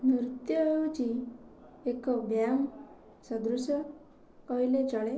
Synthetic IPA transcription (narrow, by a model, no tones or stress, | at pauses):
nɾut̪jɔɦeut͡ʃi | ekɔbjam | sɔd̪ɾusɔ | kɔɦilet͡ʃɔɭe